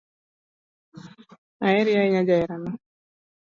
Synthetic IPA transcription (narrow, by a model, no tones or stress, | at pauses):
aɛɾiaiɲad͡ʒaɛɾanɔ